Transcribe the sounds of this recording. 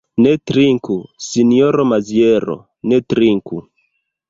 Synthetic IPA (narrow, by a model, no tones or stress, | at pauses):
netɾiŋkusinioɾomazieɾo̰ | netɾiŋku